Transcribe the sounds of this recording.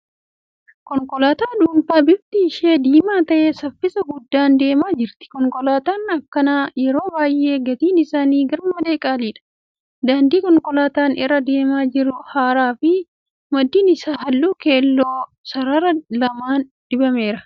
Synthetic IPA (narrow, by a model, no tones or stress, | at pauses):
kɔŋkʼɔlaːt̪aːᶑuːmfaːbɪb̚t̪iːʃeːd̪iːmaːt̪ɐʔeːsɐfːɪsɐɡʊd̪ːaːnd̪e̞ːmaːd͡ʒɪɾt̪ɪ̥kɔŋkɔlaːt̪aːnɐkːɐnaːjɛɾo̞ːbaːjʔːe̞ːɡɐt̪iːnɪsaːniːɡɐɾmɐd̪e̞ːkʼaːliːᶑɐ̥ | d̪aːnd̪iːkɔŋkɔlaːt̪aːnɪrːɐd̪e̞ːmaːd͡ʒɪɾʊhaːɾaːfɪ | mɐd̪ːiːnɪsaːɦɐlːuːke̞ːlːoː | sɐɾɐɾɐlɐmaːnd̪̥ɪbɐme̞ːɾɐ